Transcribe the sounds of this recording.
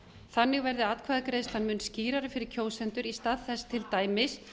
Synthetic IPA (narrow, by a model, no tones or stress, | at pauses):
θanːɪɣvɛɾðɪaːt̪kʰvaːðakɾejðst̪hanmʏnsciːɾaɾʏfɪɾɪɾ̥cʰoːwsɛnt̪ʏɾist̪aðθɛst̪ʰɪlt̪aːjmɪs